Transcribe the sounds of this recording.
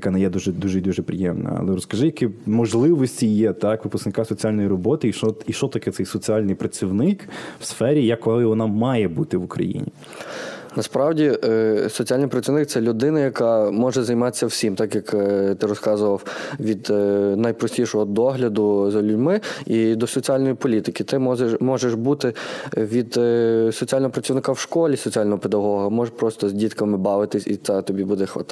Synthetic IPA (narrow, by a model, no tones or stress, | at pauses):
jɐkɑnɐjɛd̪uʒɛd̪uʒɛd̪uʒɛpɾʲɪ̰jɛmnɐ̰ɐ̰lˠɛɾɔskɐʒɪjɐkimɔʒlˠɪʋɔsʲtʲijɛt̪ɑkʋɪpʊsknɪkɑsɔt͡sʲiɑlʲnɔjiɾɔbɔt̪ɪiʃɔiʃt͡ʃɔt̪ɐkɛt̪sɛjsɔt͡sʲiɑlʲnɪjpɾɐt͡sʲiwnɪkwsfɛɾʲijɐkːɔlˠɪʋɔnɑmɑjɛbut̪ɪʋʊkɾɐ̰jḭnʲḭ | nɐspɾɑwdʲisɔt͡sʲialʲnɪjpɾɐt͡sʲiʋnɪk̚t̪sɛlʲʊd̪ɪnɐjɐkɑmɔʒɛzɐjmɑt̪ɪ̥sʲːɐwsʲimt̪ɑkjɐkt̪ɪɾɔskɑzʊʋɐwʋʲid̪nɐjpɾɔsʲtʲiʃɔɦɔd̪ɔɦlʲɐd̪ʊzɐlʲʊdʲmɪid̪ɔsɔt͡sʲialʲnjipɔlʲit̪ɪkʲɪt̪ɪmɔzemɔʒeʃbut̪ɪʋʲid̪sɔt͡sʲialʲnɔɦɔpɾɐt͡sʲiwnɪkawʃkɔlʲisɔt͡sʲiɑlʲnɔɦɔped̪ɐɦɔɦɐmɔʒpɾɔst̪ɔzʲdʲit̪kɐmɪbɑʋɪt̪ɪsʲit̪sɛt̪ɔbʲibud̪ɛxʋɐ̰t̪